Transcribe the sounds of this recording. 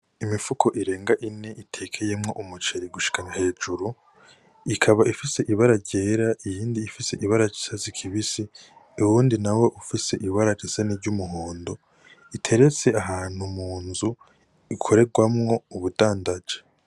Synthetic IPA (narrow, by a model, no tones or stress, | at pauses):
imifukʰo̞ʔiɾe̞ːŋɡaʔine̞ʔitʰe̞ːkʰeje̞mŋo̞̰ʔumut͡ʃeɾiɡuʃi̥kaɲahe̞ːd͡ʒuɾu | ikʰaβaifise̞ʔiβaɾaɾɟe̞ːɾaʔijiːndiːfise̞ʔiβaɾad͡ʒi̥sazikʰiβisi | uwuːndinawe̞ʔufise̞ʔiβaɾad͡ʒiseniɾɟumuɦoːndo̞ | itʰe̞ɾe̞t͡se̞aɦaːn̥humuːnzu | ikʰo̞ɾe̞ɡwamŋo̞uβudaːndad͡ʒe̥